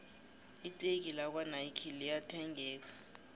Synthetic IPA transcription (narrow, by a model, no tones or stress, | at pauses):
itʼek̬ʼilak̬ʼwanaikʰilijatʰɛŋɡʱɛːk̬ʼḁ